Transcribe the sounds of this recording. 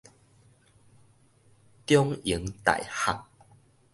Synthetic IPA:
t̪jɔ˦ŋi˨˦ŋt̪a̰˨jha̰˨˩ŋ̚

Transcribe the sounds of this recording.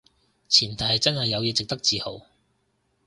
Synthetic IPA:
t͡sʰiː˨˩nt̪ʰɐ˩˨˩jt͡sɐ˥nhɐ˨jːɐ˨˧wjɛː˨˧t͡sɪ˨k̚t̪ɐ˥k̚t͡siː˨˧ho̰˨˩w

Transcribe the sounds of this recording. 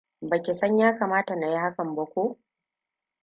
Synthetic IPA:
bɐ˨kʲe˨sɐ˦ɲjaː˦kaː˨maː˦ta˨na˨ji˦ha˦kɐ˨mbɐ˦kʷoː˦ʔ

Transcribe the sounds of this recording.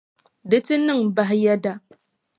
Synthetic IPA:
dɨ˦tɨ˦nɨ˦˨ŋba˦ɦja˦da˦

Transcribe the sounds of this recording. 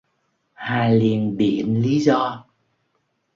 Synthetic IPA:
haː˨˩li˨˩ənɓi˧˩˨ənli˨˦zɔ˧

